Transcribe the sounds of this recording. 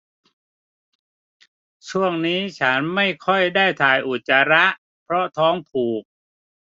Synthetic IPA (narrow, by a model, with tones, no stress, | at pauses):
t͡ɕʰu˥˩əŋniː˦˥t͡ɕʰa˦˥nma˥˩jkʰɔ˥˩jdaː˥˩jt̪ʰaː˨˩jʔu˨˩t̪̚t͡ɕa˧ɾa˦˥ʔ | pʰɾɔ˦˥t̪ʰɔː˦˥ŋpʰuː˨˩k̚